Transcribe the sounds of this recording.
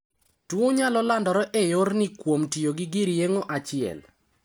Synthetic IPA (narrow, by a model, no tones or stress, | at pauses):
twoɲalɔlandɔɾɔʔejornɪkwomtijoɡɪɡiɾjeŋoʔat͡ʃɪɛ̰l